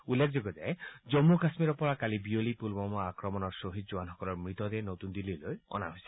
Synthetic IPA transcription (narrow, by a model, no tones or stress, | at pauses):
ulːek̚ʰd͡ʒoɡɔd͡ʒaed͡ʒɔmːukasmiɾɔpɔɾakalibiolipulbɔmɔakɾɔmɔnɔɾsoɦit̪̚d͡ʒuanɦɔkɔlɔɾmɹit̪ɔɾenot̪und̪ilːilojɔ̰na̰ɦojsi